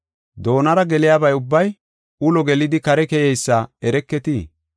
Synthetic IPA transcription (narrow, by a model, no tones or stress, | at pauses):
d̪o̞ːnɐɾɐɡɛlɪjaːbɐjʊbːɐj | ʊlɔɡɛlɪd̪ɪkɐɾɛkɛjɛjsːaɛɾɛkːɛt̪iː